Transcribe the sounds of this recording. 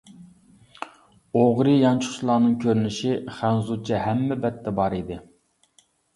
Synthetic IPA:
oʁɾɨjɑnt͡ʃʰʊχʊʃlˠɑːnɨŋkʲʰøɾnɪʃiχænzut͡ʃʰɛɦæmːɛbɛt̪ʰːɛbɑɾid̪ɪ

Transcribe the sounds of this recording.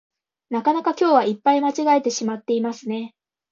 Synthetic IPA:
nakanakakʲo̞ːβaipːaimat͡ɕiɡae̞t̪e̞ɕimat̪ːe̞imasɨne̞

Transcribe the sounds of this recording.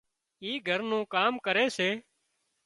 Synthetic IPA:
iːɡʱəɾnũːkaːmkəɾeːseː

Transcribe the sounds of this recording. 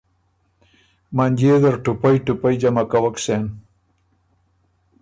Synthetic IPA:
manʲd͡ʑed̪əɾʈupajʈupajd͡ʑamakawaksen

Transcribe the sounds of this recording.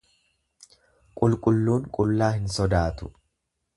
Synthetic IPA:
kʼʊlkʼʊlːuːŋkʼʊlːaːhɪnsɔd̪aːt̪ʊ

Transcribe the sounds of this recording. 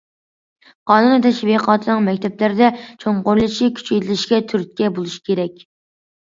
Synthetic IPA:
qʰɑːnunɨt̪ʰɛʃviqʰɑːt̪ʰɨnɨŋmɛkʲt̪ʰɛplɪɾɪd̪ɛt͡ʃʰoɴqoɾlˠɨt͡ʃʰikʲʰy̥t͡ʃet̪ʰɪlɪʃkʲɛt̪ʰyɾt̪̚kʲɛbolˠuʃi̥kʲeɾɛkʲ

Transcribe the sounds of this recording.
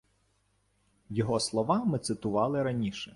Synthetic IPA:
jɔɦɔslˠɔʋɑmɪt̪sɪt̪ʊʋɑlˠɪɾɐnʲiʃɛ

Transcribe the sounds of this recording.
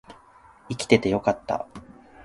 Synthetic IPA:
ikʲi̥t̪e̞t̪e̞jo̞kat̪ːa̰

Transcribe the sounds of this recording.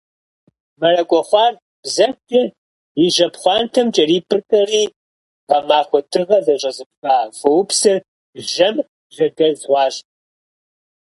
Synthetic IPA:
mɐrɐkʷʼɔχʷɑːr | b̥zɐtʰʼɐ | jɪʒɐpχʷɑːntʰɐmt͡ʃʼɐriːpʰɨrkʼɐriː | qɐmaːχʷɔtʰɨʁɐzɐɕʼɐzɨp̚xʼaːfɐwʊpsɨr | ʒɐm | ʒɐɡɐzwʷɑːɕ

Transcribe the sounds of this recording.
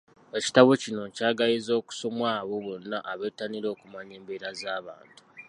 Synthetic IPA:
e̞ci̥taβo̞cino̞caːɡajizo̞ːku̥so̞mwaːβo̞βo̞nːaʔaβeːtaniɾo̞ːkumaɲe̞ːmbeːɾazaːβa̰ːntu̥

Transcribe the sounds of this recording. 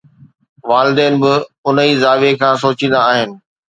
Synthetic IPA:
ʋaːlɪd̪eːnɪ̆bɪʊnəiːzaːʋekʰãːsoːt͡ɕĩːn̆d̪aːɦɪnɪ̆

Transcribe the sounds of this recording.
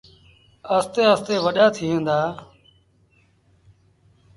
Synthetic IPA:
əst̪eːəst̪eːʋəɗaːt̪ʰiːʋẽːnd̪aː

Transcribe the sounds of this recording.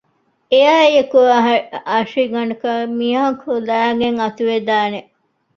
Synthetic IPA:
eaːjekuɐɦɐʂiɡɐɳukɐmiɐɐkolæːɡeŋɐt̪uʋed̪aːne

